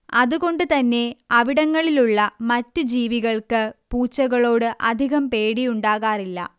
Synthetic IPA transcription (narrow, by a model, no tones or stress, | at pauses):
ɐðuɣo̞ɳɖɨt̪ɐnːe̞ɐʋiɽɐŋːɐɭiluɭːɐmɐtːɨd͡ʑiːʋiɣɐɭkɨpuːt͡ɕːɐɣɐɭo̞ːɽɨʔɐd̪ʱiɣɐmpe̞ːɽijuɳɖaːɣaːrilːɐ̰